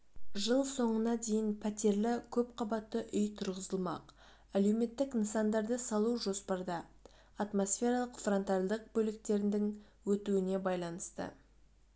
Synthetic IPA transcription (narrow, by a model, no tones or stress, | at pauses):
ʒəlˠso̞ɴənɑd̪e̞jɪnpʰæt̪e̞ɾlɪkʲʰɵpqʰɑbɑt̪ːəʔʏjt̪ʰʊɾʁəzəlˠmɑ̰q | æle̞wme̞t̪ːɪknəsɑnd̪ɑɾd̪əsɑlˠuʒo̞spɑɾd̪ɑ | ɑt̪mo̞sfʲe̞ɾɑlˠəqfro̞nt̪alˠd̪əq̚bɵlɪk̚t̪e̞ɾɪnd̪ɪŋ | wɵt̪uɪne̞bɑjlˠɑnəst̪ə̰